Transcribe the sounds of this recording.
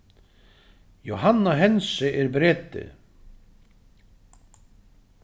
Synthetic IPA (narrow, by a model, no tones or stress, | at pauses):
joɦanːaɦɛnsɪʔɛɾbɾɛːt̪ɪ̰